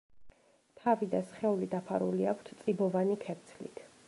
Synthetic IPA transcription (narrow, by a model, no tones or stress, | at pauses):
t̪ʰavid̪asχɛulid̪apʰa̰ɾṵliakʷʰt̪ʰt̪sʼibɔvanikʰɛɾt̪sʰlḭt̪ʰ